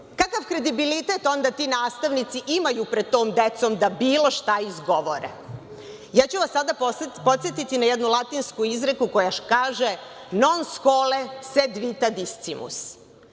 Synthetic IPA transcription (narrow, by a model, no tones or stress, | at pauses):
kakaʋkɾe̞d̪ibilit̪et̪o̞nd̪at̪iːnaːst̪aʋnit̪siʔimajupɾed̪̚t̪o̞ːmd̪et̪so̞md̪abiːlo̞ʃt̪aizɡo̞ʋoɾḛ | jaːt͡ɕuʋasːad̪appo̞t̪sjet̪it̪inajɛd̪nulˠat̪inskuizɾekuko̞jaʃkaːʒe | no̞nskoːlesed̪ʋit̪ad̪ist̪simṵs